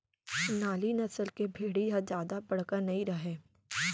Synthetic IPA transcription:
naːlinɐsəlkebʱeːɽijad͡ʒjaːd̪abɐɽ̤kəɾnɐĩɾɐɦeː

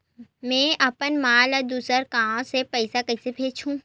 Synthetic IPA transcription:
mɛ̃ːɐpənmaːləɾd̪uːsəɾkãːõsepɛɪsakɐɪsepʰeːt͡ʃʰũː

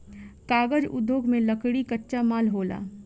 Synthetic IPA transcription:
kaːɡəd͡ʒʊ̰d̪ʱːoːɡmẽləkɽikətːʃamaːlɦoːla̰ː

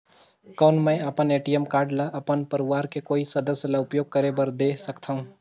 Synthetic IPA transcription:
kɐːnmɛ̃ɐpəneːʈiɛmkaːɾɖlaɐpənpɐɾɪʋaːɾkekoːisɐd̪əsjəlaʊpjoːɡ̚kɐɾebɐɾd̪eːsɐkt̪ʰaɦũː

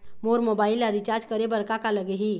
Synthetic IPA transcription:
moɾmobailːaɾit͡ʃaɾd͡ʒkəɾebəɾkakaləɡeɦi

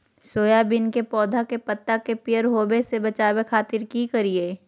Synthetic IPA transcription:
soːjabɪnkepɔːd̪ʱakepɐt̪ːakepɪjəɾɦoːbesebɐt͡ʃaːwekʰaːt̪ɪɾkikɐɾieː

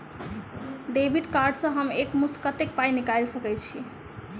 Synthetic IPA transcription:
ɖebʱiʈkaɾɖsə̃ɦəmekmuskət̪ek̚pajnikajlsəkɛjt͡ʃʰi

